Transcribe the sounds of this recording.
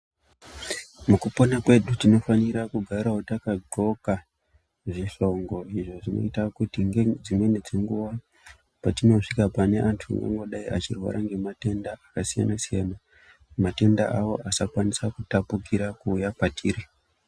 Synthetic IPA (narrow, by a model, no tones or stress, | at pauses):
mukupo̞nakwe̞ɗutino̞faniɾakuɡʱaɾaɦotakaɡo̞ka | ʐiʂo̞ŋɡo̞iʐo̞ʐino̞̰itakutiŋɡed͡zinoened͡zeŋɡuʋa | patino̞ʂikapane̞ʔantʰua̰ŋɡa̰ŋɡo̞ɗaiʔat͡ʃirwa̰ɾʔaŋɡe̞mate̞ndaakasija̰nasijana | mate̞nda̰ʔawo̞ʔasakwanisakutapukiɾakuːjapatʰiːri